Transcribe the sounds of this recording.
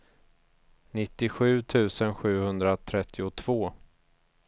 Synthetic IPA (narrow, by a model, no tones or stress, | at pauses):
nɪt̪ːɪɧʉ̟ːt̪ʰʉ̟ːsənɧʉ̟ːhɵnd̪ɾat̪ʰɾɛt̪ʰːɪʊt̪ʰv̥oː